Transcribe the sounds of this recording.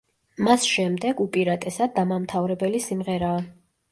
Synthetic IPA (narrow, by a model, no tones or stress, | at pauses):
masʃɛmd̪ɛɡupʼiɾat̪ʼɛsad̪ːamamt̪ʰavɾɛbɛlisimʁɛɾaː